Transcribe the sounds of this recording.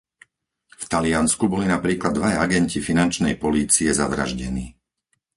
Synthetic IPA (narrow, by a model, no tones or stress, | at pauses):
ft̪alɪanskubɔlinapɾiːklad̪ːʋajaɡɛncifinant͡ʃnɛjpɔliːt͡siɛza̰ʋɾa̰ʒɟɛniː